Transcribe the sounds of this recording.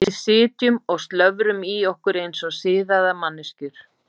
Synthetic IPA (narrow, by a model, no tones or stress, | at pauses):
ɪðsɪːt̪jʏmɔɣst̪lœvɾʏmiɔhkʏɾejnsɔsɪːðaðamanːɪscʏɾ̥